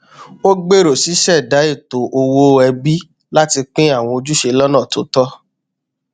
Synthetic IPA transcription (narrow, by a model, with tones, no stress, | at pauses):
o˦ɡ͡be˦˨ɾo˨si˨˦ʃɛ˦˨da˨˦i˦˨to˨ʔo˧wo˦ɛ˧bi˦ | la˦ti˧k͡pĩ˦a˦˨w̃ɔ̃˧o˧d͡ʒu˦ʃe˧lɔ˦nã˦˨to̰˨˦tɔ˦